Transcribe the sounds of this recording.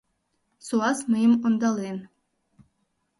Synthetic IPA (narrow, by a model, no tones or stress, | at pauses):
suɑsmɨjəmond̪ɑlˠen